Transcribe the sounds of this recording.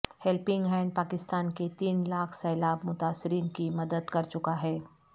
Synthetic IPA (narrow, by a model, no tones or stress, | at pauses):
hɛlpɪ̃ŋɡɦɛ̃ːɳɖ̚paːkɪst̪aːnket̪iːnlaːkʰsɛːlaːbmʊt̪aːsːɪɾiːnkimɐd̪əd̪kɐɾt͡ʃʊkaɦɛː